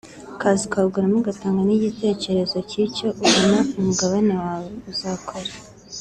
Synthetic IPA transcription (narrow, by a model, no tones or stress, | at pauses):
kaːzikauɡuɾamuɡataːŋɡaniɟite̞ːce̞ɾe̞zo̞ciːco̞ʔuβonaumuɡaβanewaːweuzaːkʰoɾa